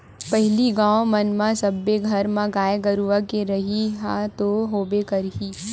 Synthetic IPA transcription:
pɐɦɪliɡãːomɐnmãsɐbːeɡʱɐɾmãɡaːeɡɐɾuʋakeɾɐɦiɦãt̪oɦoːbekɐɾɦiː

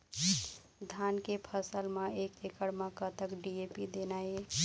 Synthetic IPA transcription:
d̪ʱankepʰəsəlmeekekəɽmẽkət̪əkɖiepid̪enəe

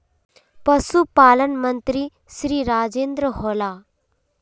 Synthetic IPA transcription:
pəsupaːlənmənt̪ɾi | sɾiːɾaːd͡ʒeːnd̪ɾəɦola

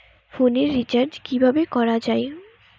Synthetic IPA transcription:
foneɾːit͡ɕaɾd͡ʑkibʱabekɔɾad͡ʑae

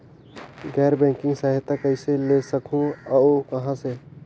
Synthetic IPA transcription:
ɡɛːɾbɛ̃ːŋkɪ̃ŋɡsaːɦɪt̪akəɪselesəkũaokɐɦãse

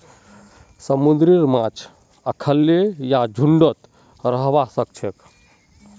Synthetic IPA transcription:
səmund̪ɾiɾmãt͡ʃʰ | əkʰəlːejad͡ʒʱuɳɖət̪ | ɾəɦbasək̚t͡ʃʰek

